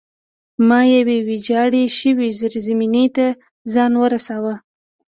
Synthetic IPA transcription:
mɑjawewid͡ʒɑɽeʃəwizəɾzaminet̪a | zɑnwəɾasawə

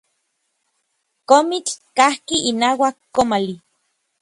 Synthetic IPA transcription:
komit͡ɬkahkiːnaːwakːomali

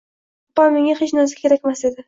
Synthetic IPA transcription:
pːɒmeŋaχet͡ʃnɒzɪkʲʰe̞ɾakʲmase̞d̪ɪ

